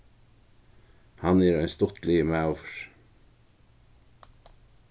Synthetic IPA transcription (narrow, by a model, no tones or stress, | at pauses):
hanɛɾœʏnst̪ʊt̪lɪəmawvɹ̥